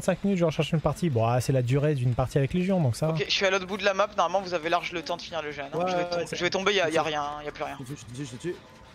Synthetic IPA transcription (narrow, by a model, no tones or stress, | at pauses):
t̪sɛ̃kminyt̪ʒɔ̃ʁʃɛʁʃynpaʁt̪ibɔ̃asɛlad̪yʁed̪ynpaʁt̪iavɛkleʒjɔ̃d̪ɔ̃ksakeʒəɥialot̪χbud̪əlamapnɔʁmalmɑ̃vuzavelaʁʒlət̪ɑ̃d̪əfiniʁləʒɛnʒəvɛʒəvɛt̪ɔ̃bejajaʁjɛ̃ijaplyʁjɛ̃y